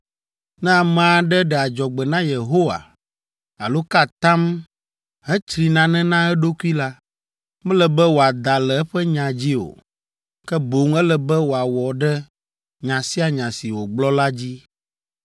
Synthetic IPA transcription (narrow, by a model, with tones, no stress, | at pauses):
nɛ̃˦a˨mã˨˦ɖɛ˦ɖɛ˨a˨d͡ʒɔ˨ɡ͡bɛ˨nã˦je˨ɦo˦wa̰˨ | a̰˨lo˦ka˦t̪ã˦m | ɦɛ˦t͡ʃɾi˨nã˦nɛ̃˦nã˦ɛ˦ɖo˦ku˦i˦la˦ | mɛ̃˦lɛ˨bɛ˦wo˨a˨d̪a˨lɛ˨ɛ˦ɸɛ˦ɲã˨d͡ʑi˦o̰˨ | kɛ˦bo˨ŋɛ˦lɛ˨bɛ˦wo˨a˨wɔ˨ɖɛ˦ | ɲã˨si˦a˨ɲã˨si˨wo˨ɡ͡blɔ˦la˦d͡ʑi˦